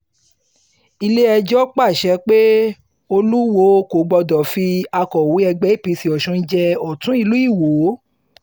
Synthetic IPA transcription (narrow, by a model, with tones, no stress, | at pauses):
i˧le˦ɛ˧d͡ʒɔ˦k͡pa˦˨ʃɛ˨˧˦k͡pe˦ | o˧lu˦wo˨˧˦ko˨ɡ͡bɔ˧dɔ˨fi˧a˧kɔ˨wu˨˦ɛ˧ɡ͡bɛ˦i˦˨pĩ˨˧˦si˧˨ɔ˨ʃɔ̃˧˦n̩˦d͡ʒɛ˧ɔ˨tũ˦i˦˧lu˨˦i˦˨wo˨˦